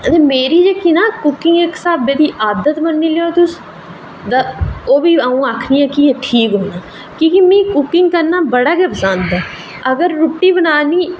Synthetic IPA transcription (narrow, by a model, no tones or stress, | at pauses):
ət̪eːmeːɾiːd͡ʒeːkinãːkʊkɪŋɡeksaːbeːd̪iːʔaːd̪ət̪mənːiːleːoːt̪ʊs | d̪aoːʋiːaːũːaːkʰniːɛ̃ːkieːʈʰiːkɦoːnaː | kĩːkimĩːkʊkːɪŋɡkəɾnaːbəɽaːkːəpsãːnd̪ɛː | əɡəɾːʊʈːiːbənaːniː